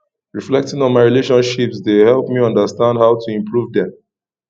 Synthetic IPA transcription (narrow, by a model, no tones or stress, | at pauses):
ɹiflɛk̚tɪ̃ŋɔ̃nmaɪɹileʃɔ̃nʃipsdehɛlˠpmiɔ̃ndəstãndhaʊtʰuĩmpʰɹuvdɛ̃m